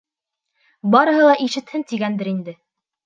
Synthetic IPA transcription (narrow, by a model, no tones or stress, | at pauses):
bɑɾɤ̆ɦɤlˠɑʔiʃɘ̆t̪hɘnt̪iɡænd̪ɘɾind̪ɘ